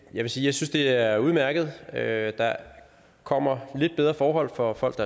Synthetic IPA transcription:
jɑʋe̝siːjɪsynsd̥e̝æɐuð̞ˠmæɐɡ̥əð̞̩ˠød̥ɑ̈ | kʰɒ̽m̰ɐle̝d̥b̥eð̞ˠʁɐfɒːɦɒ̽l̰fɒ̽fɒ̽l̰ɡ̥d̥ɑ

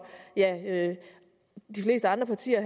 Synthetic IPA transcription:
jæø | d̥ifle̝̰ːsd̥əɑ̈nd̥ʁɐpʰɑ̈t͡sʰḭːɐɦ

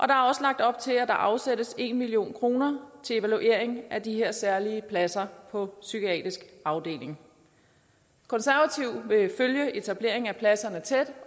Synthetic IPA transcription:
ʔɒ̽d̥ɑ̈æɐɒ̽səlɑɡ̥̚d̥ɒ̽b̥̚t͡sʰe̝æd̥ɑ̈ʔɑ̈ʊsedəse̝̰nmilio̝̰ːnkʰʁo̝ːnɐt͡sʰe̝le̝ʋæluʔe̝̰ɐ̰eŋʔæd̥iɦe̝ɐ̰sæɐliəpʰlæsɐpʰɒ̽sykʰiɛ̰ːd̥ʁisɡ̥ɑ̈ʊd̥e̝̰ːle̝ŋ | kʰɒ̽nsæɐʋæt͡sʰiʊ̰ʋe̝føljəe̝t͡sʰæb̥le̝ɐ̰e̝ŋ̩æpʰlæsɐnət͡sʰed̥

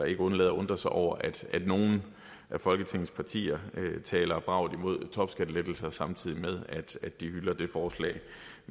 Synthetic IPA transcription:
ɑ̈e̝ɡ̥əɔ̽nlɛːðˠɐɔ̽nd̥ʁɐsɑ̈ɪʔɒʊ̰ɐʔæd̥ʔæd̥no̝ːn̩ | ʔæfɒ̽lɡ̥ət͡sʰe̝ŋ̰n̩spʰɑ̈t͡sʰḭːɐt͡sʰɛːlɐb̥ʁɑ̈ʊ̰ð̩ˠimo̝ð̞ˠt͡sʰɒ̽b̥sɡ̥æd̥led̥l̩sɐsɑ̈mt͡sʰið̰ˠimeðˠæd̥æd̥d̥ihylɐd̥e̝fɒːslɛ̰ːɪ

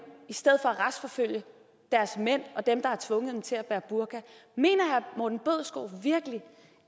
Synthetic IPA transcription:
isd̥eð̞̰ˠfɒ̽æʁasfɒ̽føl̰jə | d̥æɐsmen̰ɒ̽d̥emd̥ɑ̈æɐt͡sʰʋɔ̽ŋəð̩ˠd̥emt͡sʰe̝læb̥æːɐb̥uɐɡ̥æme̝̰ːnɐhæmod̥n̩b̥øð̰ˠsɡ̥o̰ːʋiɐɡ̥əli

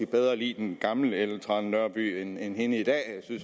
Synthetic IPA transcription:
ib̥eð̞ˠʁɐlḭːd̥enɡ̥ɑ̈mləelt͡sʰʁɑnːɶɐb̥y̰ːenenhe̝nəid̥ɛ̰ːjɪsyns

